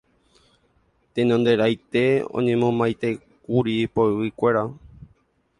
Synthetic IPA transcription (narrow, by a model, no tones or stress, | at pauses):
t̪enõnd̪e̞ɾajt̪e̞õ̰ɲẽ̞mõmajt̪e̞ | kuɾipoewɨkʷe̞ɾa